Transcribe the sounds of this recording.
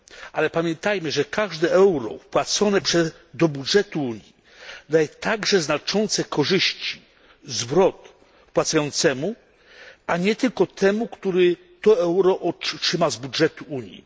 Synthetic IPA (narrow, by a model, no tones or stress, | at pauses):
alɛpamʲjɛnt̪ajmɘʐɛkʰaʐd̪ɛɛwɾɔ̰fpwat̪sɔnɛpʂɛ | d̪ɔbudʐɛt̪uuɲji | d̪ajɛt̪aɡʐɛznat͡ʂɔnt̪sɛkɔʐɘɕt͡ɕi̥ | zvɾɔt̪ | pwat̪sajɔnt̪sɛmu | aɲɛt̪ɘlkɔt̪ʰɛmukt̪uɾɛ | t̪ɔɛwɾɔʔɔʂɘmazbudʐɛt̪uuɲjḭ